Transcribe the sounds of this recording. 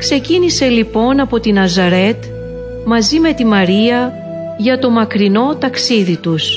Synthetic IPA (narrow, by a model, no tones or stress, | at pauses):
kse̞cinise̞lipo̞nɐpo̞t̪inɐzɐɾe̞t̪ | mɐzime̞t̪imɐɾiɐ | ʝɐt̪o̞mɐkɾino̞t̪ɐksiðit̪us